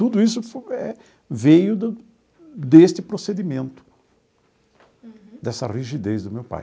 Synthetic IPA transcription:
t̪ud̪ʊisʊfɛ | vejʊd̪ | d̪est͡ʃ̪ɪpɾosed̪imẽnt̪ʊ̥ | d̪ɛsɐ̰ʁiʒid̪ezd̪ʊmewpa̰j

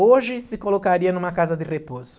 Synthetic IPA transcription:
oʒɪsɪkolokaɾiɐnũmɐkazɐd̪ɪrepozʊ̥

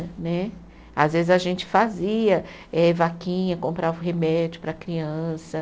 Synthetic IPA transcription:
nɛ | azvezɪzaʒẽnt͡ʃɪ̥faziɐ | ɛvakĩɲɐkõmpɾavʊɦemɛd͡ʒʊpɾɐkɾiɐ̃sɐ

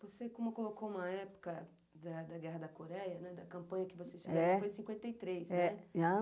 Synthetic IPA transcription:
vosekõmʊkolokoũmɐɛpʊ̥kɐ | d̪ɐd̪ɐɡɛɦɐd̪ɐkoɾɛjɐnɛd̪ɐkɐ̃mpɐ̃ɲɐkɪvosesfizɛɛ̃fojsĩkwẽnt̪ejt̪ɾejsnɛa

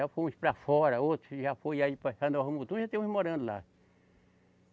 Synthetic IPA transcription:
afoũspɾɐfɔɾɐot̪ɾʊʒafojaipɐhɐ̃nd̪oɦɐmut̪ũʒat̪ẽm̃ũhmoɾɐ̃nd̪ʊla̰

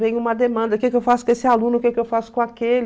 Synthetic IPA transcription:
vẽj̃ʊũmɐd̪emɐ̃nd̪ɐkekɪewfasʊkõesɪalũnʊkekɪewfasʊ̥kõakelɪ

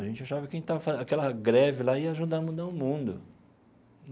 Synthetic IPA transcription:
ɐʒẽnt͡ʃɪaʃavɪkẽj̃t̪avɐfaakɛlɐɡɾɛvɪlaiɐaʒud̪aɐmud̪aʊmũd̪ʊ

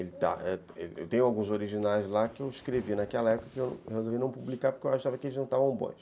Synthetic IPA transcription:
elɪt̪a̰ɛ | ḛlḛwt̪ẽj̃awɡũzoɾiʒinajzlakɪewiskɾevinakɛlɐɛpʊukɐkɪewñ̰whezowviɐnɐ̃w̃publikaɾpʊ̥ɾkewaʃʃavɐkɪelɪznɐ̃w̃t̪avɐ̃bõ̰j̃ʃ

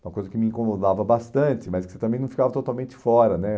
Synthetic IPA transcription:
ũmɐkojzɐkɪmɪĩkomod̪avɐbast̪ɐ̃t͡ʃɪmɐskɪ̥set̪ɐ̃mẽnɐ̃w̃fi̥kavɐt̪ot̪awmẽnt͡ʃɪ̥fɔɾɐnɛ

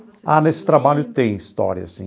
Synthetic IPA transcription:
a̰nesɪ̥t̪ɾabaʎʊt̪ẽj̃ist̪ɔ̰ɾjɐ̰sḭ̃

